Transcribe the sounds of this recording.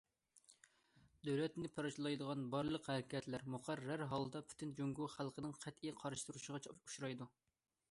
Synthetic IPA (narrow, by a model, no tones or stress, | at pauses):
d̪øwlɛt̪nɪpʰɑɾɑʃlˠɑjd̪əʁɑnbɑɾlˠəqhæɾɪkʲɛt̪ʰlæɾmuqʰæɾæɾɦɑlˠd̪ɑpʰy̥t̪ʰɪnd͡ʒoŋɡuχælˠqənɨŋqʰæt̪ijqʰɑɾʃɨ̥t̪uɾuʃəʁɑu̥ʃɾɑjd̪u